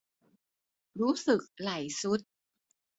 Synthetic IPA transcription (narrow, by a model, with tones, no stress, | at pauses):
ɗu˨˦sɨ˨˩k̚laː˧˩˨jsu˧˥t̚